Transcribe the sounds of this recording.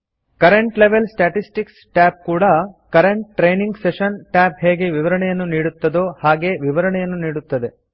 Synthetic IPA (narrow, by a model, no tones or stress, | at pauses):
kɐɾeɳʈleʋelsʈaʈisʈiksʈaːp̚kuːɽɐkɐɾeɳʈ̚ʈɾejniŋɡseʃɐnʈaːpɦeːɡeʋiʋɐɾɐɳɛjɐnːuniːɽut̪ːɐd̪oːhaːɡe̞ʋiʋɐɾɐɳɛjɐnːuniːɽut̪ːɐd̪e̞